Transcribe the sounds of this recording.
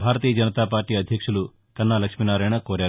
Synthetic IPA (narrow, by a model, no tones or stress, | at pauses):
bʱaːɾɐt̪iːjɐd͡ʒɐnɐt̪aːpaːɾʈiːɐd̪ʱjɐkʂulu | kɐnːaːlɐkʂminaːɾɐjɳɐkoːɾaːɾ